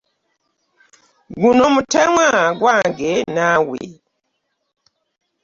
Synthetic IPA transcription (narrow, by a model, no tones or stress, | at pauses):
ɡunɔmutʰɛŋaɡwaŋɡɛnawḛ